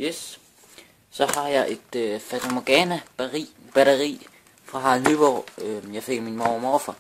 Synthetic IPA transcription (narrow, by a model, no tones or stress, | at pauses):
jes | sɒ̽hɑ̈jɑ̈ɪʔe̝d̥fæt͡sʰomoɡ̥ɛːnæ̥i | b̥æɾɐʁḭː | fʁɑ̈ɦɑ̈lɦyb̥ɒjɑ̈ɪfe̝ɡ̥ɐminmɒʊmɔfɐ